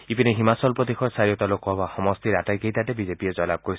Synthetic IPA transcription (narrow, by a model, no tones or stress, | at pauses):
ipineɦimasɔlpɾɔt̪ikʰɔɾsaɾijɔt̪alokɔbaxɔmɔst̪iɾaʈajkeit̪aʈebid͡ʒepied͡ʒɔlab̚kɔɾis